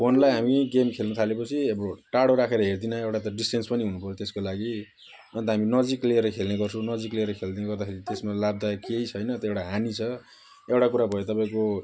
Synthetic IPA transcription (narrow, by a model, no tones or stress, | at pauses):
pʰonlajɦamiɡemkʰelnʌt̪ʰalepʌt͡sʰiebʌʈaɽoɾakʰeɾʌɦerd̪inaewʈat̪ʌɖisʈenspʌniɦunupʌɾjot̪eskolaɡi | ʌnt̪ʌɦaminʌd͡zikleɾʌkʰelneɡʌrt͡sʰʌ̃nʌd͡zikleɾʌkʰeld̪ineɡʌrd̪akʰeɾit̪esmalab̚d̪akejt͡sʰʌjnʌt̪ʌewʈaɦanit͡sʰʌ | ewʈakuɾabʱʌot̪ʌpãĩko